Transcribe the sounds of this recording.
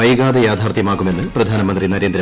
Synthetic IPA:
ɐjɣaːd̪ɐjaːd̪ʱaːrt̪ʰjɐmaːkːume̞nːɨprɐd̪ʱaːnɐmɐnd̪rinɐɾend̪ɾɐ

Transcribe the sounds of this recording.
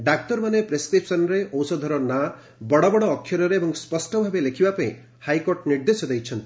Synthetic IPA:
ɖak̚tɔɾmanepɾeskɾipʰsɔnɾeɔwsɔd̪ʱɔɾɔna | bɔɽɔbɔɽɔːkʰːjɔɾɔɾeebɔŋspɔsʈɔbʱabelekʰibapɔĩ | hajkoɾʈniɾd̪esjɔd̪ejt͡ʃʰɔnt̪i̥

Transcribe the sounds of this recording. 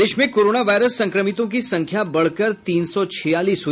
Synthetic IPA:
eːʃmẽkoːɾoːnaʋaːɪɾəsːɐ̃ŋkɾəmɪt̪õk̬isɐ̃ŋkʰjabɐɽ̤kəɾt̪iːnsɔt͡ʃʰɪjaːliːsʊ

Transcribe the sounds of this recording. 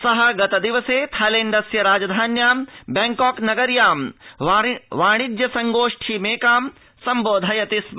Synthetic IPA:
sɐɦɐɡɐt̪ɐd̪iʋɐseːt̪ʰajleːɳɖɐsjɐɾaːd͡ʒɐd̪ʱaːnjaːmbɛŋkɔːknɐɡɐɾjaːm | ʋaːɽ̃id̪jɐsɐŋɡoːʂʈʰimeːkaːm | sɐmboːd̪ʱɐjɐt̪ism

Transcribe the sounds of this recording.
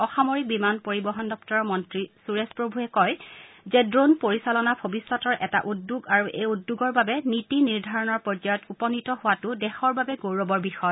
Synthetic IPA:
ɔxamoɹibimanpoɹibɔɦɔndɔp̚tɔɹɔmɔntɹisuɹespɹobʱuɛkɔj | zɛdɹonpoɹisalɔnabʱobisːɔtɔɹʔɛta̰ʔudːuɡaɹuʔejudːuɡɔɹbabɛnitiniɹdʱaɹɔnɔɹpɔd͡ʒajɔtupɔnitɔɦʊwatʊdɛxɔɹbabɛɡowɹɔbɔɹbixɔjɔ

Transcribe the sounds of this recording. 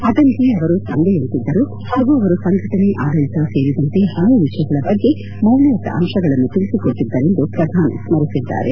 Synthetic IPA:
ɐd̪ɐnk̪eɐʋɐɾut̪ɐɳɖeent̪id̪ːɐɾu | haːɡuɐʋɐɾusɐŋɡʱɐʈɐneʔaːd̪ɐɭit̪ɐse̞ːɾid̪ɐnt̪e̞haːjuʋiʂɐjɐɡɐɭɐbɐɡːi | mɐwliɐt̪ːɐ̰ʔɐ̰mʂɐɡɐɭɐnːut̪iɭisikoʈːid̪ːɐɾe̞nd̪upɾɐd̪ʱaːnḭsmɐɾisid̪ːa̰ːɾḛ

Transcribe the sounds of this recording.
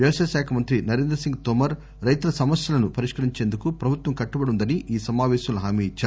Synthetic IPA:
ʋjɐʋɐsɐjʃaːkʰɐmɐnt̪ɾinɐɾeːnd̪ɾɐsiŋɡ̚t̪omɐɾ | ɾɐjt̪ulɐsɐmɐsjɐlɐnupɐɾiʂkɐɾiɲt͡ʃeːnd̪ukupɾɐbʱut̪ʋɐmkɐʈːubɐɽund̪ɐniʔiːsɐmaːʋɛːʃɐmlɐɦaːmiːit͡ʃːaːɾu

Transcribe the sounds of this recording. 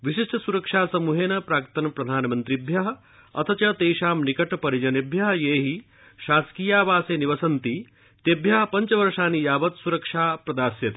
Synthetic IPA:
ʋiʃiʂʈɐsuɾɐkʂaːsɐmuɦeːnɐpɾaːkt̪ɐnɐpɾɐd̪ʱaːnmɐnt̪ɾibʱjɐɦɐ̆ | ɐ̰t̪ʰɐt͡ʃɐt̪eːʃaːmnikɐʈɐpɐɾid͡ʒɐnebʱjɐɦɐjeːɦi | ʃaːskijaːʋaːseːniʋɐsɐnt̪i | t̪ebʱjɐɦɐpɐɲt͡ʃɐʋɐɾʂaːnijaːbɐt̪suɾɐkʂaːpɾɐd̪aːɾsjɐt̪i

